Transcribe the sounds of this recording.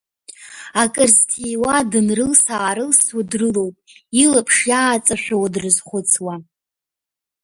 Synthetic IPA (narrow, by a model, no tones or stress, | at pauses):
akʼɨrztʰijwadɨnrɨlsaːɾɨlsadrɨlo̞wpʼilapʰʂjaːt͡sʼaʃʷᶣawadrɨzχʷʊt͡sʰwa